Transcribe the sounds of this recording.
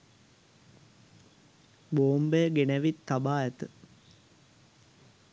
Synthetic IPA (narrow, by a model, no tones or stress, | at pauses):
boːmbejəɡenæʋit̪ːabaːɛt̪ɨ